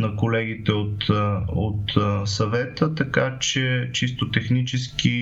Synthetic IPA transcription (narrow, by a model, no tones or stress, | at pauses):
nɐkolɛɡ̟it̪ɛot̪ot̪sɐvɛt̪ət̪ɐkat͡ʃɛt͡ʃist̪ot̪ɛxnit͡ʃɛski